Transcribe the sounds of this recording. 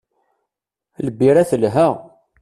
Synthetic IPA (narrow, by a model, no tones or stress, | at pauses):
ləbːiɾæθəlɦæ